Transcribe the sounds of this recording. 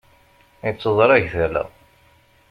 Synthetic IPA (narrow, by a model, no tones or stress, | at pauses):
jt͡sːəðˤɾˤæʝθælæ̰